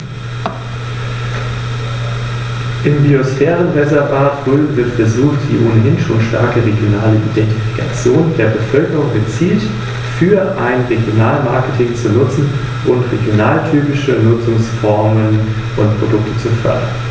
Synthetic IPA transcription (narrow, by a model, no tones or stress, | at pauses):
ʔɪmbiosfɛːʁənvɛzɐbaɐtʁ̥øːln̩vɪɐtfɛɐzuːxtd̥ḭːʔoːnəɦɪnʃoːnʃta̰ɐkəʁeɡjonaːləʔḭdɛnti̥fi̥kʰa̰t͡sjoːndeːɐbəfœlkəʁʊŋɡət͡siːlt | fyːɐʔaɪnʁeɡjonaːlmaɐkətʰɪŋt͡sunʊt͡sn̩ | ʔʊntʁeɡjonaːltʰyːpɪʃənʊt͡sʊŋsfɔɐmən | ʔʊntpʁ̥odʊk̚tʰə̥t͡sufœ̰ɐdɐ̰n